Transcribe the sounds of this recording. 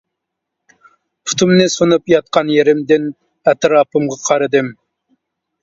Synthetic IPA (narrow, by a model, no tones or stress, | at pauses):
pʰu̥t̪ʰumnɨsonupjɑt̪̚qɑnjeɾɪmd̪ɪn | ɛt̪ɾɑpɨmʁɑqʰɑɾɨd̪ɨm